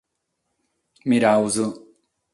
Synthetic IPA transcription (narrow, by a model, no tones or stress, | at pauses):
miɾawzʊ